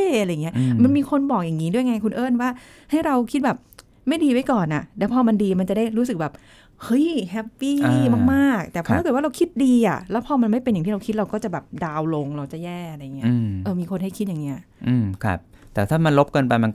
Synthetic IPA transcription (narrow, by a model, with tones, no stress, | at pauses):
a˧ɾa˧ja˨˩ŋi˦˥ɐʔma˧nmiː˧kʰo˧nbɔː˨˩k̚ja˨˩ŋːiː˦˥du˥˩jŋa˧kʰu˧nʔɤː˥˩nwaː˥˩ | ha˥˩jɾa˧wkʰi˦˥t̪̚bɛː˨˩p̚ | ma˥˩jdiː˧wa˦˥jkɔː˨˩nʔa˨˩lɛː˦˥pʰɔː˧ma˧ndiː˧ma˧nt͡ɕa˨˩da˥˩jɾu˦˥sɯ˨˩k̚bɛː˨˩p̚ | hɤ˦˥jhɛ˦˥pːiː˥˩ma˥˩k̚maː˥˩k̚t̪ɛː˨pʰa˥kɤː˨˩wa˥˩ɾa˧wkʰi˦˥t̪̚diː˧ʔa̰˨˩lɛː˦˥pʰɔː˧ma˧nma˥˩jpe˧nja˨˩ŋt̪i˥˩ɾa˧wkʰi˦˥t̪̚ɾa˧wkɔː˥˩t͡ɕa˨˩bɛː˨˩p̚daː˧wlo˧ŋɾa˧wt͡ɕa˨˩jɛː˥˩a˧ɾa˧ja˨˩ŋi˦˥ɐɯ˧ʔɤː˧miː˧kʰo˧nha˥˩jkʰi˦˥a˨˩ŋːi˦˥ɐʔɯː˧mkʰa̰˦˥˩p̚t̪ɛː˨˩t̪ʰaː˥˩ma˧nlo˦˥p̚kɤː˧npa˧jma˧n